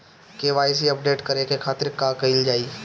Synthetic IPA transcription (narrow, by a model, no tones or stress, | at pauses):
keʋaːjs̬iɐp̚ɖeːʈkɐɾekekʰaːt̪ɪɾkaːkɐɪld͡ʒaːiː